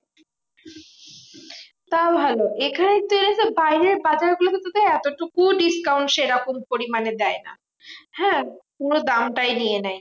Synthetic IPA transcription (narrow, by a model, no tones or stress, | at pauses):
t̪abʱaloʔekʰanet̪ːoenesebajɾeɾbad͡ʑaɾɡulot̪ot̪ad̪eɛt̪oʈukuɖiskawɳʈʃeɾakompoɾimaned̪ɛena̰ | hɛ̃ːkonod̪amʈajnijenaj